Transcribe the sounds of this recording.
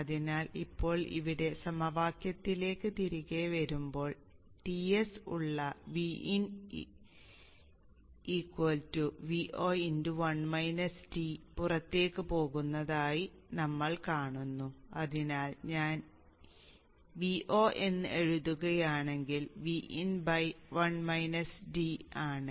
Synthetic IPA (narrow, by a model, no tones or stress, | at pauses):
ɐðinaːlipːo̞ːɭḭʋiɽe̞sɐmɐʋaːkjɐt̪ːile̞ːkːɨt̪iɾiɣeʋɐɾumbo̞ːɭ | ʈiesṵɭːɐʋiʔin | ikwɐltuʋiʔoːinduʋɐɳmɐjnɐstipurɐt̪ːe̞ːkːɨpo̞ːɣunːɐðaːji | nɐmːɐɭkaːɳunːuɐðinaːlɲaːn | ʋiʔo̞ːʔenːɨeɻuðuɣɐjaːɳe̞ŋɡilʋiʔinbɐjʋɐɳmɐjnɐsɖiaːɳɨ